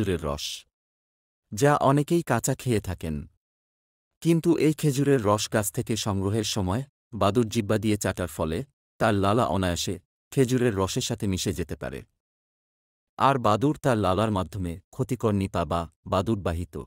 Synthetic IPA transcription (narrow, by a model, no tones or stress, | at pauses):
uɾeɾːɔ̰ʃ | d͡ʑaʔɔnekejkat͡ɕakʰeet̪ʰaken | kint̪uʔejkʰed͡ʑuɾeɾːɔʃɡat͡ɕʰt̪ʰekeʃɔŋɡɾoɦeɾʃɔmɔe | bad̪uɾd͡ʑibːad̪iet͡ɕaʈaɾfɔle | t̪aɾlalaʔɔnajaʃe | kʰed͡ʑuɾeɾːɔʃeɾʃat̪ʰemiʃed͡ʑet̪epa̰ɾḛ | aɾbad̪uɾt̪aɾlalaɾmad̪ʱomekʰot̪ikoɾnipababad̪uɾbaɦit̪o̰